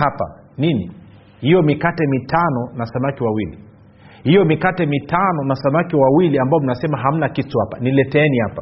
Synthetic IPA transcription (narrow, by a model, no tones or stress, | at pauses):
apa̰ | nini | hijɔmikatɛmitʰanɔnasamakiwawili | hijɔmikatɛmitanɔnasamakiwawiliambaɔm̩nasɛmaɦam̩nakituhapa̰nilɛtɛɛnihapa